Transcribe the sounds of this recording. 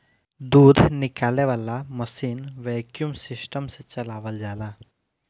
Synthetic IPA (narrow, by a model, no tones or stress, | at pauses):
d̪uːd̪ʱnɪkaːleʋaːlaməsiːnʋɛkjumsɪsʈəmset͡ʃɐlaːʋəld͡ʒaːlaː